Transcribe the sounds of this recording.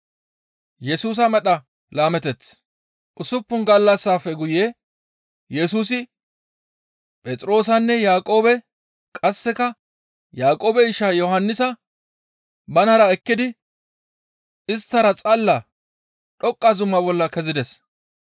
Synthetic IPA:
jɛsuːs̬ɐmɛɗɐ | laːmɛt̪ɛt͡sː | ʔʊsʊpːʊnɡɐlːɐsːaːfːɛɡʊjeː | jɛsuːs̬ɪ | pʼɛt͡sʼɾo̞ːs̬ɐnːɛjaːkʼo̞ːbɛ | kʼɐsːɛkɐ | jaːkʼo̞ːbɛɪʃːajɔhɐnːɪsɐ | bɐnɐɾɐɛkːɪd̪ɪ | ɪst̪ːɐɾɐt͡sʼɐlːɐ | ɗɔkʼːɐzʊmːɐbɔlːɐkɛzɪd̪ɛs

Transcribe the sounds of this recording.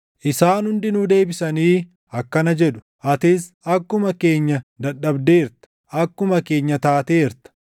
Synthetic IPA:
ʔɪsaːnhʊnd̪ɪnʊd̪e̞ːbɪsɐniː | ɐkːɐnɐd͡ʒɛᶑʊ̥ | ʔɐt̪ɪs | ɐkːʊmɐke̞ːɲːɐd̪ɐɗːɐbd̪eːɾt̪ɐ̥ | ʔɐkːʊmɐke̞ːɲːɐt̪aːt̪eːɾt̪ɐ̥

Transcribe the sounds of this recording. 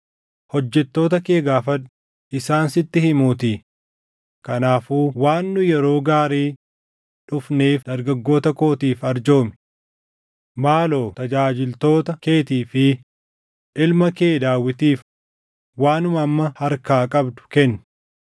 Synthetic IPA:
hɔd͡ʒːɛt̪ːo̞ːt̪ɐkeːɡaːfɐᶑʊ | ɪsaːnsɪt̪ːɪhɪmuːt̪iː | kɐnaːfuːwaːnːʊjɛɾo̞ːɡaːɾiː | ᶑʊfneːfd̪ɐɾɡɐɡːo̞ːt̪ɐko̞ːt̪iːfɐɾd͡ʒo̞ːmɪ̥ | maːlo̞ːt̪ɐd͡ʒaːd͡ʒɪlt̪o̞ːt̪ɐke̞ːt̪iːfɪ | ʔɪlmɐke̞ːd̪aːwːɪt̪iːf | waːnʊmɐmːɐhɐɾkaːkʼɐbd̪ʊ̥kɛnːʊ̥

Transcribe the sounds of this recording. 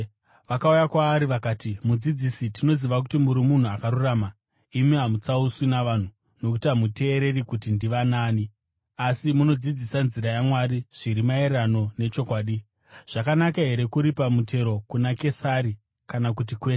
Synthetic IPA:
ʋakaujakwaːɾiʋakaːtimud͡zid͡zisitino̞ziʋak̬utimuɾimun̤uakaɾuraːma | imiɦamut͡sauswinaʋan̤u | nokutamute̞ːɾe̞rikutindiʋanaːni | asimuno̞d͡zid͡zisanziɾajamwaɾiʐ̥iɾimaerano̞ne̞t͡ʃo̞kwaːɗi | ʐ̥akanakaɦe̞ɾe̞kuɾipamute̞ɾo̞kunake̞saɾi | kanak̬ut̬ikwea

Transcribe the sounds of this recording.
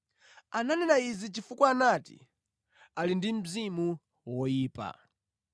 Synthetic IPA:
ananɛnaizit͡ʃifukwaːnatḭ | alindim̩zimu | wɔjiːpa̰

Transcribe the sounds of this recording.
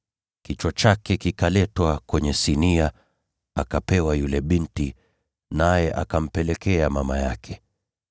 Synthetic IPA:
kit͡ʃwat͡ʃakɛkikalɛtwakwɛɲɛsinia | akapɛwajulɛɓinti | najɛʔa̰kam̩pɛlɛkɛamama̰ja̰kʰɛ

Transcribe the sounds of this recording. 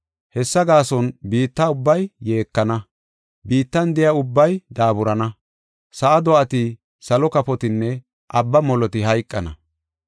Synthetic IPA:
hɛsːɐɡaːsɔnbiːt̪ːɐʊbːɐjːe̞ːkːɐnɐ | biːt̪ːɐnd̪ɛjɐʊbːɐjd̪aːbʊɾɐnɐ | sɐʔɐd̪ɔʔɐt̪i | sɐlɔkɐpɔt̪ɪnːɛ | ʔɐbːɐmɔlɔt̪ɪɦɐjkʼːɐnɐ̰

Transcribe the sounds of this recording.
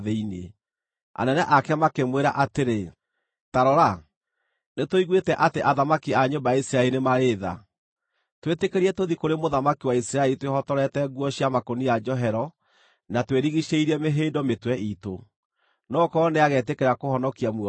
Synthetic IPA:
ðeinḛ | a̰nɛnɛʔakɛmakemweɾa̰ʔateɾe | taɾɔɾa | netoiɣwetɛʔateʔaðamakiaɲombajaisiɾaeɾinemaɾeːða̰ | twetekeɾiɛtoðikoɾemoðamakiwaisiɾaeɾitwehɔtɔɾɛtɛɣɡwɔɕiamakonijad͡ʒɔɦɛɾɔ | natweɾiɣiʃeiɾiɛmeɦeːdɔmetwɛʔito | nɔkɔneaɣɛt̬ekeɾakohɔnɔkiamw

